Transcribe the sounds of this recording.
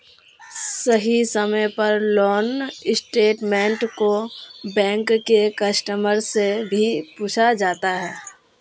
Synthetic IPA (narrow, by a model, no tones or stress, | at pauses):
səɦisəməjpɐɾlɔːnɪsʈeːʈmẽːɳʈkobɛ̃ːŋkːekɐsʈəməɾsebʱipuːt͡ʃʰad͡ʒaːt̪aɦɛː